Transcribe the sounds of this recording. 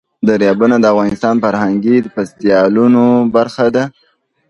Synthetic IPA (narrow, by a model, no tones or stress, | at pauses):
d̪aɾjɑbunad̪əavɣɑnɪst̪ɑnfaɾhaŋɡid̪əpast̪ijɑlunobaɾxad̪a